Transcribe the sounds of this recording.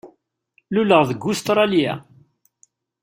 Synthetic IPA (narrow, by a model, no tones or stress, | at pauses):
luləʁðəɡːʊst̪ɾˤɑljæ̰